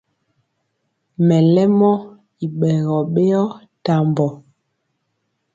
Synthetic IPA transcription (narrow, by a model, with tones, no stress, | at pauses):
mɛ˨lɛ˦mɔ˦ | i˨ɓɛ˨ɣɔ˨ɓe˦ɔ˦ | ta˨mbɔ˨